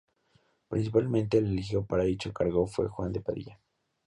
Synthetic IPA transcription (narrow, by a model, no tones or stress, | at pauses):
pɾins̬ipalmẽnt̪eːlelixjopaɾaðit͡ʃokaɾɣofwḛxwand̪epaðḭja